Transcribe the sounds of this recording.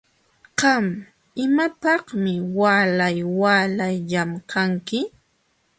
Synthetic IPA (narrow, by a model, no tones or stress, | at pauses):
qɑm | ɪmapɑhmɪwaːlajwaːlajʎamkʰaŋkɪ